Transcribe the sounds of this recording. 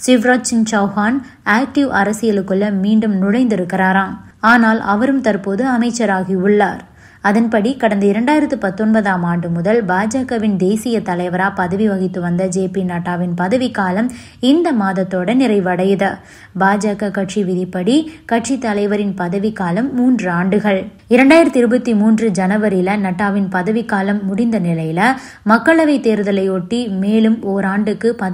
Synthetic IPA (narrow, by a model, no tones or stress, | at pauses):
sɪʋɾoːt͡ʃːɪnt͡ʃɐːhaːn | aːk̚ʈɪʋɐɾɐsɪjɐlɯkːɯɭːɐmiːɳɖɯmnʊɻɐɪnd̪ɪɾɯkːɪraːɾaːm | aːnaːlʔɐ̰ʋɐɾɯmt̪ɐɾpoːðɯɐmɐɪt͡ʃːɐɾaːɣiʊɭːaːɾ | ɐðɐnpɐɽikɐɽɐnd̪ɐɪɾɐɳɖaːjɪɾɐt̪ːɯpɐt̪ːɔnbɐðaːmaːɳɖɯmʊðɐlbaːd͡ʒaːkɐʋɪnd̪eːsɪjɐt̪ɐlɐɪʋɐɾaːpɐðɐʋiʋɐɣɪt̪ːɯʋɐnd̪ɐd͡ʒeːpinaːʈːaːʋɪnpɐðɐʋɪkːaːlɐm | ɪnd̪ɐmaːðɐt̪ːoːɽɐnɪɾɐɪʋɐɽɐjðɐ | baːd͡ʒaːkɐkɐʈʂiʋɪðɪpːɐɽikɐʈʂit̪ːɐlɐɪʋɐɾɪnpɐðɐʋikːaːlɐmːuːndrɯaːɳɖɯɣɐɭ | ɪɾɐɳɖaːjɪɾɐt̪ːɪɾɯbɐt̪ːimuːndrɯd͡ʒɐnɐʋɐɾɪlɐnɐʈːaːʋɪnpɐðɐʋɪkːaːlɐmːʊɽɪnd̪ɐnɪlɐjɪlɐ | mɐkːɐɭɐʋɐɪt̪eːɾɯðɐlɐɪoʈːimeːlɯmoːɾaːɳɖɯkːɯpɐ